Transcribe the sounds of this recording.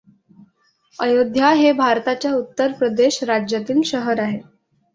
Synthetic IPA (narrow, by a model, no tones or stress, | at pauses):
əjod̪ʱjaɦebʱaɾt̪at͡ɕjaut̪ːəɾpɾəd̪eɕɾad͡ʑjat̪iːŋkɕəɦəɾaɦe